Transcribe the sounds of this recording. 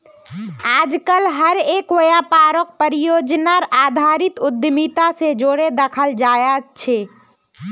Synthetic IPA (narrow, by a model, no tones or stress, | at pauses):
ad͡ʒkəlɦəɾekʋəjapaɾək̚pəɾijod͡ʒnaɾad̪ʱaɾit̪ud̪jmit̪ased͡ʒoɽed̪əkʰəld͡ʒajet̪t͡ʃʰe